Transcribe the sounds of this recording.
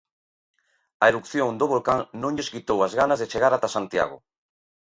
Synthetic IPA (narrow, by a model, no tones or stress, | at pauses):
aeɾukθjoŋd̪oβolkaŋnõŋʎeskit̪owazɣanazðet͡ʃeɣaɾat̪asant̪ja̰ɣ̞o̰